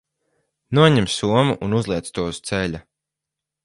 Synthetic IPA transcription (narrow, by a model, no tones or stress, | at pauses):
nuɔɲɛmsuɔmuʔunuzlˠiɛt̪st̪uɔst̪sɛlʲa